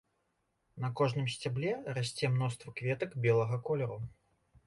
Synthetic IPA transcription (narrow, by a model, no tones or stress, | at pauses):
nɐkɔʐnɨmsʲt͡sʲablʲɛrasʲt͡sʲɛmn̪ɔst̪vɐkvʲɛt̪ɐkbʲɛlˠɐɣɐkɔlʲɛɾu